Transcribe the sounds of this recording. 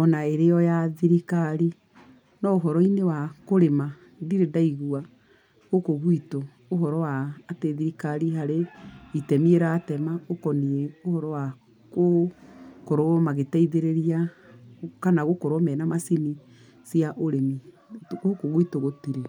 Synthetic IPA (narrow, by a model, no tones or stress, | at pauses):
ɔnaeɾeɔjaðiɾikaɾi | nɔoɦɔɾɔinewakoɾema | diɾedaiɣua | ɣokoɣwitoː | ɦɔɾɔwaːteðiɾikaɾiɦaɾeitɛmieɾatɛmaokɔniɛohɔɾɔwa | ko | koɾomaɣetɛiðeɾeɾia | kanaɣokoɾɔmɛnamasini | siaʔoɾemi | okoɣuitoɣotiɾe